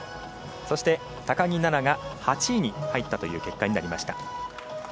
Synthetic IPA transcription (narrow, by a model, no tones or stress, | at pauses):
so̞ɕi̥t̪e̞ | t̪akaɲ̟inanaɡahat͡ɕiɲ̟ihait̪ːat̪o̞jɯ̟̰ːke̞kːaɲ̟inaɾʲimaɕi̥t̪a̰